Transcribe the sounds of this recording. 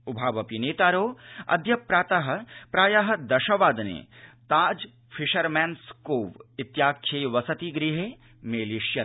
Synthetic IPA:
ubʱaːʋɐpineːt̪aːɾoːɐ̰d̪ʱjɐpɾaːt̪aɦɐ̆pɾaːjɐɦɐ̆d̪ɐʃɐʋaːd̪nḛːt̪aːd͡ʒ | fʰiʃɐɾmɛːnskoːʋɪt̪jaːkʰeːjʋɐsɐt̪iɡɾiɦe | meːliʃjɐ

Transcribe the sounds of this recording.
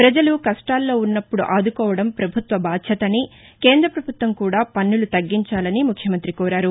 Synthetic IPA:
pɾɐd͡ʒɐlukɐsʈaːlːo̞ːunːɐpːuɽuʔaːd̪ukɔːʋɐɽɐmpɾɐbʱut̪ʋɐbaːd̪ʃʰɐt̪ɐni | ke̞ːnd̪ɾɐpɾɐbʱut̪ʋɐmkuːɽaːpɐnːulut̪ɐɡːiɲt͡ʃaːlɐnimukʰjɐmɐnt̪ɾikɔːɾaːɾu

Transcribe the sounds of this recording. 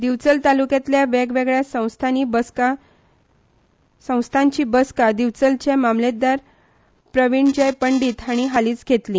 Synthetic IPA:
d̪iʋt͡səlt̪alukjat̪ljaʋɛɡʋeɡɭjasə̃w̃st̪ʰanibəka | sə̃w̃st̪ʰãɲt͡ɕiːbəskad̪iʋt͡səlt͡ɕamamlet̪̚d̪aɾ | pɾəʋiɳd͡ʑəjpəɳɖiːt̪aɽ̃iɦaliːt͡sɡʱet̪li

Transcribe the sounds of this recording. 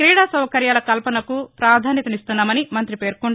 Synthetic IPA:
kɾiːɽaːsɐwɐkɐɾjaːlɐkɐlpɐnɐkupɾaːd̪ʱaːnjɐt̪ɐmist̪unːaːmɐnimɐnt̪ɾipe̞ːɾkuɳ

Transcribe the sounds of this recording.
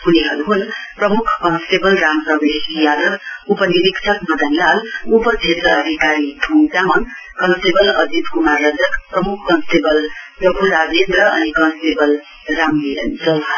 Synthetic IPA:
puniɦʌɾuɦunprʌmukʰkʌnsʈebʌlrampʌbesjad̪ʌɡupʌniɾiksʰʌkmʌd̪ʱʌnlalupʌt͡sʰet̪rʌʌd̪ʱikaɾiʈʰuŋt͡samʌn | kʌnsʈebʌlʌd̪ʱit̪kumarːʌd͡zʌkprʌmukʰkʌnsʈebʌlrʌbʰʱuɾad͡zend̪rʌʌ̰nikʌ̃nsʈebʌl | ramniʌ̰nsʰʌ

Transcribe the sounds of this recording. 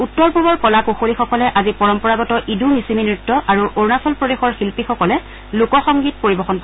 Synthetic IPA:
utːɔɹpubɔɹkɔlakuxolixɔkɔlɛʔazipɔɹɔmpɔɹaɡɔtɔʔidʱumisiminɹutːɔʔaɹuʔoɹnasɔlpɹɔdexɔɹxilpixɔkɔlɛ | lukɔxɔŋɡit̚poɹibɔxɔnpɔ

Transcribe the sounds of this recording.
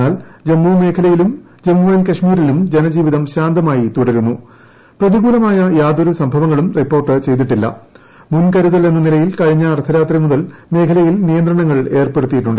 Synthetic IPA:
aːld͡ʑemːume̞ːkʰɐlɐjilum | d͡ʑemːuʋenkɐʂmiːɾilumd͡ʑe̞nɐd͡ʑiːʋiðɐmɕaːnd̪ɐmaːjit̪uɽɐɾunːu | prɐðiɣuːlɐmaːjɐjaːd̪o̞ɾusɐmbʱɐʋɐŋːɐɭumripːo̞ːrʈɨt͡ɕe̞jt̪̬iʈːilːɐ̰ | munkɐɾuðɐle̞nːɐnilɐjilkɐɻiɲːɐːrt̪ʰɐɾaːt̪rimuðɐlme̞ːkʰɐlɐjilnijɐnd̪rɐɳɐŋːɐɭe̞ːrpe̞ɽut̪ːijiʈːuɳɖɨ

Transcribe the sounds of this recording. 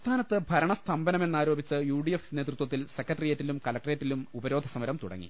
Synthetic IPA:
t̪ʰaːnɐt̪ːɨbʱɐɾɐɳɐst̪ʰɐmbɐnɐmenːaːɾo̞ːbit͡ɕːɨjuːɖijefne̞ːt̪rut̪wɐt̪ːilsekːɐʈːɐrijeːtːilumkɐlɐk̚ʈreːtːilumubɐɾoːd̪ʱɐsɐmɐɾɐmt̪uɽɐ̰ŋːḭ

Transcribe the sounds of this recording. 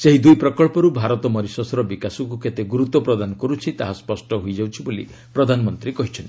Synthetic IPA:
seɦid̪ujpɾɔkɔɭpɔɾubʱaɾɔt̪ɔmɔɾisɔsɔɾɔbikasɔŋk̬uket̪eɡuɾut̪ɔpɾɔd̪anɔkɔɾut͡ʃʰit̪aɦaspɔsʈɔɦojd͡ʒawt͡ʃʰibolḭ | pɾɔd̪ʱanɔmɔnt̪ɾikɔɦit͡ʃʰɔnt̪i

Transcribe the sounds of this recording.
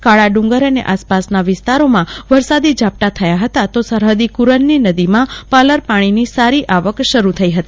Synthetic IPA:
kaɭaɖũŋɡəɾənḛʔaspasnaʋɪst̪aɾomãʋəɾsad̪id͡ʒʱap̚ʈ̪at̪ʰəjaɦət̪at̪osəɾɦəd̪ikuɾənːinəd̪imãpaləɾpaɽ̃inisaɾiʔaʋəkʃəɾut̪ʰəiɦət̪i

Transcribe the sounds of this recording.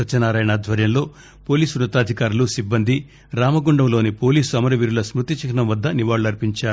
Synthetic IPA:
ɐt͡ʃɐnaːɾaːjɐnad̪ʱʋɐɾjɐmlo̞ː | po̞ːliːsuɾɐt̪ːaːd̪ʱikaːɾulusibːɐnd̪ʱi | ɾaːmɐɡuɳɖɐmlo̞ːnipo̞ːliːsuɐmɐɾɐʋiɾulɐsmɾut̪it͡ʃɐkʰɐnɐmʋɐd̪ːɐniʋaːɭːuɐɾpiɲt͡ʃaːu

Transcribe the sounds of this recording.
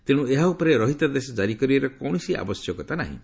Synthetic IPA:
t̪iɽ̃ũeɦaupɔɾeɾɔɦit̪ad̪esɔd͡ʒaɾikɔɾibaɾɔkɔwɽ̃isia̰bɔsjɔkɔt̪ana̰ɦḭ̃

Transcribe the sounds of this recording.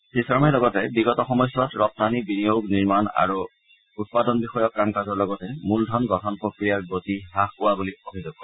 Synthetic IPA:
sisɔmɛlɔɡɔtɛbiɡɔtɔxɔmɔsjɔtɹɔp̚tanibinijoɡniɹmana̰ɹu | ut̚padɔnbixɔjɔkɹamkazɔɹlɔɡɔtɛmuldʱɔnɡɔtʰɔnpɹokɹijaɹɡotihaxkʊwabuliobʱiduɡɔ

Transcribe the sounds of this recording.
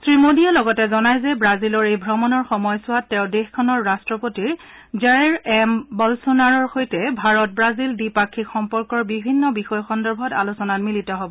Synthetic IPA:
sɹimodialɔɡɔtɛzɔnajzɛbɹazilɔɹejbʱɹɔmɔnɔɹxɔmɔjsʊwatːɛʊ̃dexkʰɔnɔɹːastɹɔpotiɹ | zaɹɛɹɛmbɔlsonaɹɔɹxojtɛbʱaɹɔt̚bɹazildipakʰːikxɔmpɔɹkɔɹbibʱinːɔbixɔjxɔndɔɹbʱɔtalusɔnatmilitɔɦobɔ

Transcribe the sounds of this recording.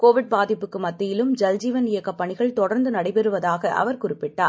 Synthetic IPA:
koːʋɪɽ̚baːðɪpːɯkːɯmɐt̪ːɪjɪlɯmd͡ʒɐld͡ʒiːʋɐnɪjɐkːɐpːɐɳɪɣɐɭt̪ɔɽɐɾnd̪ɯnɐɽɐɪpɛɾɯʋɐðaːɣɐʔɐ̰ʋɐɾkʊrɪpːɪʈːaːɾ

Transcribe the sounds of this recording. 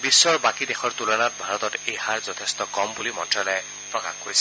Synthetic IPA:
bisːɔɹbakidexɔɹtulɔnat̚bʱaɹɔt̪ɔtejhaɹzɔtʰest̪ɔkɔmbulimɔntɹalɔɛ | pɹɔka̰xhoɹijsʰɛ

